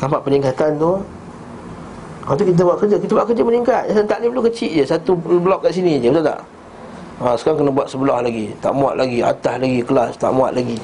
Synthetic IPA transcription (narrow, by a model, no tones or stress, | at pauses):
t̪ampaʔpəniŋkat̪ant̪u | wat̪ukit̪̬əbuaʔkəɾd͡ʒakit̪əbuaʔkərd͡ʒəməniŋkat̪̚asant̪aʔliplukət͡ʃiʔd͡ʒəsat̪ublɔkːaʔsinid͡ʒəpət̪at̪a̰ʔ | əsə̥kaɾaŋkənabuat̪̚səbəlɔhlaɡit̪a̰ʔmũa̰ʔ̪̚lʔaɡia̰t̪ahlaɡikəlast̪a̰ʔmua̰ʔ̪laɡi